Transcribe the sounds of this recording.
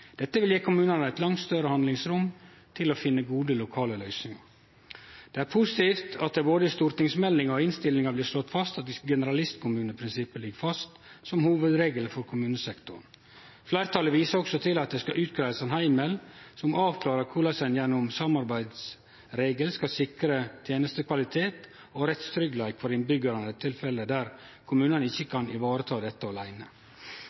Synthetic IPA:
d̪̥ɛt̪ːəʋɪljeːkʰʊmʉːnənəæɪt̪lɑŋt̪st̪œɾəhɑnd̪lɪŋsɾʊm | t̪ʰɪlɔfɪnːəɡuːd̪əlʊkʰɑːləlœʏsnɪŋɑ̰ | d̪̥ɛæɾpʰʊsɪt̪iːft̪ʰɑt̪̚d̪ɛboːd̪əɪst̪uːɾt̪ɪŋsmɛlːɪŋɔɪnst̪ɪlːɪŋɑblɪːʂlɔt̪ːfɑst̪ɑt̪ɡɛnəɾɑlɪst̪kʰʊmʉːnəpʰɾɪnsɪpːəlɪɡəfɑst̪sɔmhuːʋəd̪ɾeːɡələfɔɾkʰʊmʉːnəsɛkt̪ʊɾn | flæɪɾt̪ʰɑləʋiːsəɾɔksɔt̪ʰɪlɑt̪̚d̪ɛskɑʔʉːt̪̚kʰɾæɪʋəsɛnhæɪmɛlsɔmɑːʋkʰlɑːɾəɾkʰulɑsɛnjɛnːʊmsɑmɑɾbæɪd̪s | ɾeːɡəlskɑsɪkɾət̪ʰjeːnəst̪əkʰʋɑlɪt̪ʰeːt̪ | ɔɾɛt̪st̪ʰɾʏɡlæɪkfɔɾɪnbʏɡəɾɑnd̪ət̪ʰːɪlfɛlːəd̪æɾ | kʰʊmʉːnənəɪçːəkʰɑnʔɪʋɑːɾət̪ʰɑːd̪ɛt̪ːəɔlæɪnə

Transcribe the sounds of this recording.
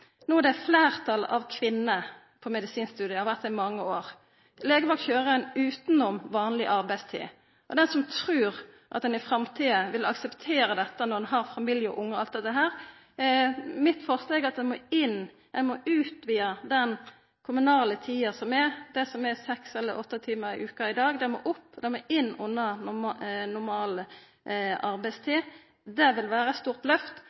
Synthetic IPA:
nuːd̪ɛæflæːʁt̪ʰɑlɑ̰ʋkʰʋɪnːə | pʰɔmɛd̪ɪsiːnst̪ʉːd̪ɪəhɑʋæʁt̪ːɪmɑŋːəoːʁ | leːɡəʋɑkçøːɾəɛnʉːt̪nɔmʋɑːnlɪʔɑɾbæɪst̪ʰḭː | ʔɔd̪ɛnsɔmt̪ʰɾʉːʁʔɑ̰t̪̚d̪ɛnɪfɾɑmt̪ʰiːəʋɪlɑksəpt̪ʰeːɾəd̪ɛt̪ːənɔɾd̪ɛnɦɑɾfɑmiːljəɔ̰ʔʊŋːɔɑld̪ɛt̪ːəɦæːɾ | mɪt̪fɔʁsleːɡɑt̪̚d̪ɛnmoːɪn | d̪ɛnmoːʉːt̪ʋiːɑd̪ɛn | kʰʊmʉnɑːlət̪ʰiːɑsɔmɛd̪̥ɛsɔmɛsɛksɛlːəɾɔt̪ːət̪ʰiːməɾɪ̰ʔʉːkɑɪd̪ɑːɡd̪ɛnmo̰ːʔʊpːd̪ɛnmoːɪnːʊnːɑ | nʊɾmɑːlə | ʔɑɾbæɪst̪ʰiː | d̪ɛʋɪlʋæːɾəst̪uːʁt̪lœft̪

